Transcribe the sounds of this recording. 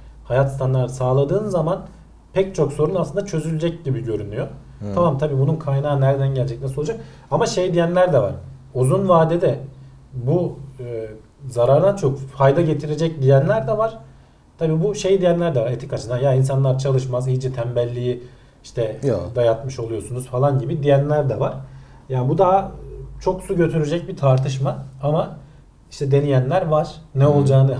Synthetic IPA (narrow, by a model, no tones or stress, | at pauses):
hajat̪st̪ʰanlˠaɾsaːlˠad̪ɯːnzaman | pʰɛc̚t͡ʃʰokso̞ɾunaslɯnd̪at͡ʃʰø̞zylʲd͡ʒɛc̚ɟibiɟø̞ɾynyjo | t̪ʰamamt̪ʰabiːbununkʰajnaːnæɾd̪ænɟɛlʲd͡ʒɛc̚nasload͡ʒak̚ | amaʃe̞jd̪ijænlʲæɾd̪ɛva̰ɾ̥ | uzunvaːd̪ed̪ɛ | bu | zaɾaɾd̪ant͡ʃʰokhajd̪aɟe̞t̪ʰiɾe̞d͡ʒɛc̚d̪ijænlʲæɾd̪ɛvaɾ̥ | t̪ʰabiːbuʃe̞jid̪ijænlʲæɾd̪ɛvaɾet̪ikat͡ʃʰɯnajains̬anlˠaɾt͡ʃʰalˠɯʃmazijid͡ʒɛt̪ʰæmbælʲːiji | iʃt̪ʰɛd̪ajat̪mɯʃo̞lˠujo̞sunuz̥falˠanɟibid̪ijænlʲæɾd̪ɛvaɾ̥ | jaːnbud̪aɦat͡ʃʰo̞ksuɟø̞t̪ʰyɾyd͡ʒɛc̚bit̪ʰaɾt̪ʰɯʃmaama | iʃt̪ʰɛd̪e̞nijænlʲæɾvaɾ̥nɛo̞lˠd͡ʒaːnɯ